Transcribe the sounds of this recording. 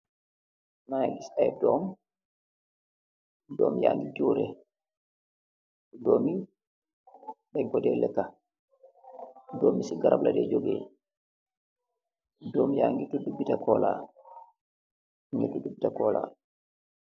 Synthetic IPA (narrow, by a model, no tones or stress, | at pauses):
najɛdisajdɔm | dɔ̰ːmja̰ŋɡid͡ʒuːɾɛ | dɔmi | ɗɛŋkɔdɛlɛkːa | dɔːmisiɡaɾabladɛd͡ʒoɡɛ | dɔmjaŋɡitudubːitakɔla̰ | ɲedudubːitakɔlʔa̰